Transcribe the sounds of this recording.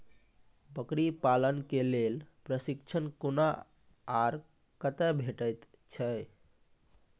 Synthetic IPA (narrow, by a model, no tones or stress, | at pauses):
bəkɾipalənkelelpɾəsikt͡ʃʰənkona | aɾ | kət̪ɛbʱeʈət̪ | t͡ʃʰə